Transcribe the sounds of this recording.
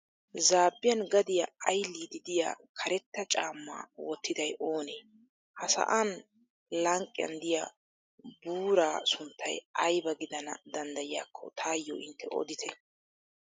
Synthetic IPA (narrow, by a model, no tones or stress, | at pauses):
zaːbːɪjɐnɡɐd̪ɪjaɐjlːiːd̪ɪd̪ɪja̰ːkʰɐɾɛt̪ːɐt͡ʃʼaːmːa̰ːwɔt̪ʰːɪd̪ɐjʔoːneː | hɐsɐ̰ʔan | lɐŋkʼːɪjɐ̰nd̪ɪja̰ | buːɾaːsʊnt̪ʰːɐ̰jʔɐjbɐɡɪd̪ɐnɐ̰d̪ɐnd̪ɐjɪjaːkʰːɔ̰t̪ʰaːjːo̰ːʔɪnt̪ʰːɛʔɔ̰d̪ɪt̪ʰɛ